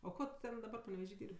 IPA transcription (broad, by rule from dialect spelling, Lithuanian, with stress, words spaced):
oː ˈkoː tʊ ˈtʲɛn dɐˈbɐr pɐnʲɛʋʲɛˈʒʲiː ˈdʲiːrʲpʲ